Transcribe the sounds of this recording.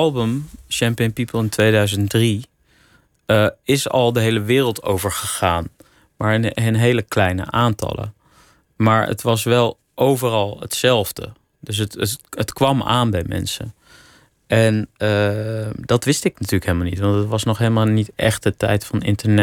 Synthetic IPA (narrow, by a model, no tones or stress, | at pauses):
ɑlˠbəmʃɛmpiənpipəlˠɪntʋejdœɥzəntdri | əɪsɑ̰lˠdəɦejləʋɪːrəlˠtʰo̰wvəɹχəχaːn | maːɹɪnənɦejləklɛjnə̰ʔaːntɑ̰lˠə̰ | maːɹə̰tʋɑsʋɛlˠ | ʔowvərɑlˠə̰tsɛlˠvdə̰ | dɵs̬ətətkʋɑma̰ːnbɛjmɛ̰nsə̰ | ʔɛnədɑtʋɪstɪknatyːləkɦelˠmalnitʋɑntətʋɑsnɔχɦejlˠmaːlˠnitʔɛ̰χtətɛjtfɑnɪ̰ntəɹnɛ